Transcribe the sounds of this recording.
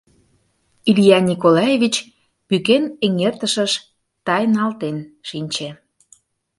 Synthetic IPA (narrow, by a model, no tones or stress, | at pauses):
ilʲijɑnʲikolɑjevʲit͡ɕ | pykeneŋert̪əʃəʃ | t̪ɑjnɑlt̪enʃinʲt͡ɕe